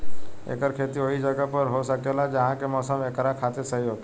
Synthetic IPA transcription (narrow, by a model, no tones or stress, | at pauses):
ḛːkəɾkʰeːt̪ioɦid͡ʒəɡəpəɾɦosəkeːlad͡ʒɐɦãkemɔːsəmeːkɾakʰaːt̪esəɦiɦoːt̪ː